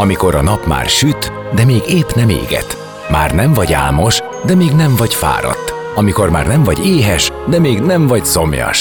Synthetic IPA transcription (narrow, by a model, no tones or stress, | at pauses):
ɒmiko̞ɾɒnɒpma̰ːrʃyt̪ | d̪ɛmeːɡeːpnɛmḛːɡɛ̰t̪ | maːrnɛɱvɒɟa̰ːlmo̞ʃ | d̪ɛmeːɡnɛɱvɒɟfa̰ːɾɒ̰t̪ː | ɒmiko̞rma̰ːrnɛɱvɒɟeːɦɛʃd̪ɛmeːɡnɛɱvɒɟso̞mjɒ̰ʃ